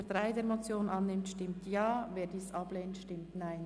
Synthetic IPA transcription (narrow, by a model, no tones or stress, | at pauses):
tʁaɪdeːɾmot͡sjoːnʔɑnːɪmtʃtɪmtjɑːveːɾdiːsʔɑb̥leːntʃtɪmtnaɪn